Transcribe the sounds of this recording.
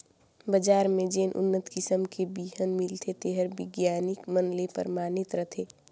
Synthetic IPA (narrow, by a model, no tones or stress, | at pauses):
bəd͡ʒaːɾmẽd͡ʒeːnʔʊ̰nːət̪kɪsəmkʰebiːɦənmɪlt̪ʰet̪eɦəɾbɪɡjaːnɪkmənlepə̰ɾmaːnɪt̪ɾət̪ʰeː